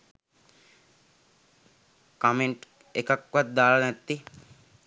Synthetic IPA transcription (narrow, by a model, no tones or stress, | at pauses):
kameɳʈ | ekakʋat̪̚d̪aːlanɛt̪ːi